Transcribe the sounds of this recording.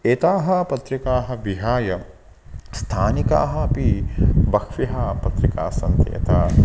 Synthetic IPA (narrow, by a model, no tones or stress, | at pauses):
eːt̪aːɦɐpɐt̪ɾikaːɦɐ̆ʋiɦaːjɐ | st̪ʰaːnika̰ːɦɐpibɐkʰʋiɦɐpɐt̪ɾika̰ːsɐnt̪iḛt̪ʰaː